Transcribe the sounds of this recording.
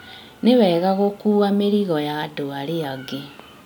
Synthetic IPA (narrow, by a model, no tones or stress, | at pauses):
newɛɣaɣokuːɣameɾiɣɔjadoaɾeaɡe